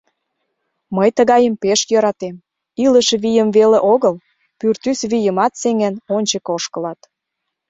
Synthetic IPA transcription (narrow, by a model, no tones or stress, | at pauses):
məjt̪əɣɑjəmpeʃjəɾɑt̪em | iləʃβijəmveleʔoɣəl | pyrt̪ysβijəmɑt̪seŋænonʲt͡ɕə̆koʃkəlɑt̪